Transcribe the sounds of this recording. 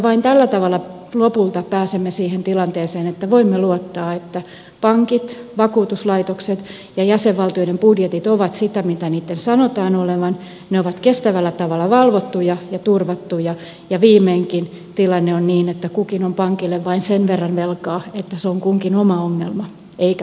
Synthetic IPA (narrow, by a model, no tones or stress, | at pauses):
ʋɑint̪ælːæt̪ɑʋɑlːˑɑ | lopult̪ɑpæːsemːesiːhent̪ilɑnt̪eːseːnet̪ːæʋoimːeluot̪ːɑːet̪ːæ | pɑŋkit̪ʋɑkuːt̪uslɑit̪okset̪ | jɑjæseʋʋɑlt̪ioidempudjet̪it̪oʋɑt̪sit̪æmit̪æniːt̪ːensɑnot̪ɑːnoleʋɑn | neoʋɑt̪kest̪æʋælːæt̪ɑʋɑlːˑɑʋɑlʋot̪ːujɑjɑt̪urʋɑt̪ːujɑ | jɑʋiːmeːŋkin | t̪ilɑnːeonniːnet̪ːækukinompɑŋkilːeʋʋɑinsenʋerːɑnʋelkɑːet̪ːæseoŋkuŋkinomɑoŋːelmɑ | eikæ